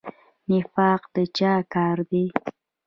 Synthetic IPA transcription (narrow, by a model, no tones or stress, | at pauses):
nɪfɑqd̪̥ət͡ʃɑkɑɾd̪e